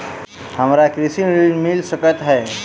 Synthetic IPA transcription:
həmɾakɾisinɾiɖmilsəkət̪ɦɛː

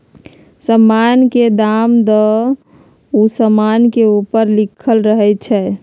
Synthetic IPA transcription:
səmːanked̪amd̪ə | usəmankeupəɾlikʰəlɾəɦɛt͡ʃʰɛ

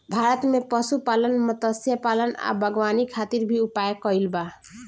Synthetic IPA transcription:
bʱaɾʌt̪mepʌsupalʌnmʌt̪ʌsjapalʌna̰bʱʌɡwanikʰat̪iɾbʱiupajekʌilba

